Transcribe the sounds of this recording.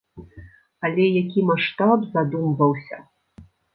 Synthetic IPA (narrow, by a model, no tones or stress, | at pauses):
alʲɛjakʲimaʂt̪abzad̪umvɐwsʲɐ̰